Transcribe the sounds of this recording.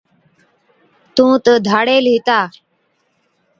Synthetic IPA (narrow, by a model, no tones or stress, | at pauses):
t̪ũːt̪əd̪ʱaːɽeːlɦɪt̪aː